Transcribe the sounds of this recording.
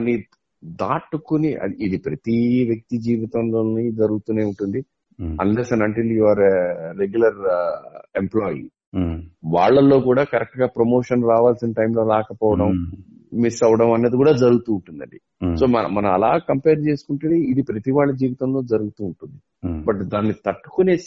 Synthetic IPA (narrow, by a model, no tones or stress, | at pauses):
ɐni | d̪aːʈukuniʔɐ̰d̪iid̪ipɾɐt̪iʋjɐk̚t̪id͡ʒiːʋit̪ɐmloːnid͡ʒɐɾuɡut̪uːneːuɳʈund̪i | ɐ̰nleːsɐnɐɳʈiljuʋaːɾːeɡjulɐɾ | emplɔːjḭ | ʋaːɭːɐlːoːkuːɽaːkɐɾɛk̚ʈɡaːpɾomo̞ːʂɐnɾaːʋaːlsinɐʈɐjmlo̞ːlaːkɐpɔːʋɐɽɐm | misɐʋɐɽɐmɐneːd̪ikuːɽaːd͡ʒɐɾuɡut̪uːɳʈund̪ɐ̰ɳɖi | so̞ːmɐnɐ̰mɐnɐmɐlaːkɐmpeːɾt͡ʃe̞ːsu̥kuɳʈɐniid̪ipɾɐt̪iʋaːɭːɐd͡ʒiːʋit̪ɐmlo̞ːd͡ʒɐɾuɡut̪uːɳʈund̪i | bɐʈd̪aːnːit̪ɐʈːu̥kuneː